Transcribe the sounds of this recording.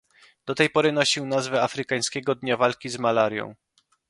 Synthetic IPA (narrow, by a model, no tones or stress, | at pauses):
d̪ɔt̪ɛjpɔɾɘnɔɕiwnazvɛafɾɘkaj̃skʲɛɡɔd̪ɲavalkʲizmalaɾjɔ̰̃w̃